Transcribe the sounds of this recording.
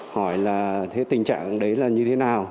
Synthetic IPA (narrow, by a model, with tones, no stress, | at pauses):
hɔ˧˩jlaː˨˩t̪ʰe˨˦t̪ï˨˩ŋ̟t͡ɕa̰ː˧˨ŋɗə˨˦jlaː˨˩ɲɨ˧t̪ʰe˨˦naː˨˩w